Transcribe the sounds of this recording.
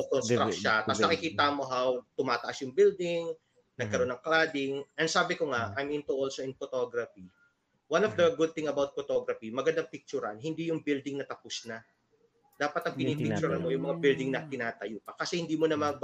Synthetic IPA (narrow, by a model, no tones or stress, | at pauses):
okonst̪ɾakʃat̪asnɐkɪkiːt̪ɐmo̞ɦawt̪ʊmaːt̪ɐʔasjʊŋbɪld̪ɪŋ | nɐɡ̚kɐɾo̞nɐŋklaːd̪ɪŋʔɛnsaːbɪkoŋaʔajmɪnt̪uʔolsoɪnfot̪oɡɾɐfi | wanɔfd̪ɐɡʊd̪̚t̪ɪ̃ŋɐbawt̪̚fot̪oɡɾɐfimɐɡɐnd̪ɐŋpɪk̚t͡ʃʊɾɐnhɪnd̪ijʊŋbɪld̪ɪŋnɐt̪ɐpʊsnɐ | d̪aːpɐt̪ɐŋpɪnippɪk̚t͡ʃʊɾɐnmojʊŋmɐŋabɪld̪ɪŋnɐt̪ɪnaːt̪ɐjuːpɐkɐsɛhɪnd̪iːmonɐma